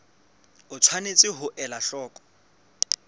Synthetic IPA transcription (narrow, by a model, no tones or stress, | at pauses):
ʊt͡sʰwanet͡sʼɪɦʊʔɛlaɬɔːkʼɔ̥